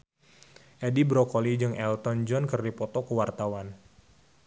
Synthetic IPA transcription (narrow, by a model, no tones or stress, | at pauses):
ʔedibɾɔkɔlid͡ʒɨŋɛlt̪ɔnd͡ʒɔnkərdipɔt̪ɔkəwart̪awan